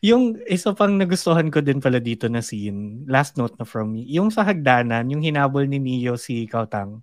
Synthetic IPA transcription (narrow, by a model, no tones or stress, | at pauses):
jʊŋʔɪsɐpɐŋnɐɡʊst̪oɦankod̪ɪnpɐlɐd̪iːt̪o̞nɐsinlast̪̚nowt̪̚nɐfɹɔmːijʊŋsɐɦɐɡ̚d̪aːnɐnjʊŋhɪnaːbolnɪniːjosikɐwt̪ɐ̰ŋ